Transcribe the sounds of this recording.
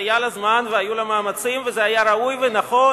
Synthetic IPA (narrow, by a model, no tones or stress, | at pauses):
jalazmanveajulamaːmat͡simvezeajaɾaujvenaχo̞